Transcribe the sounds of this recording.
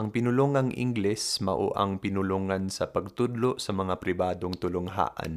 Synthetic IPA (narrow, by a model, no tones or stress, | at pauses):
ʔɐŋpɪnʊloːŋɐŋʔɪ̰ŋɡlɛsmɐʔo̰ʔɐ̰ŋpɪnʊloŋɐnsɐpɐɡ̚t̪ʊd̪loʔsɐmɐŋapɾɪbaːd̪oŋt̪ʊlʊŋɦa̰ːʔɐ̰n